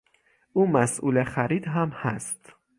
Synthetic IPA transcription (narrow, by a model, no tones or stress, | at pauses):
ʔuːmæsʔuːlexæɾiːd̪ɦæmhæst̪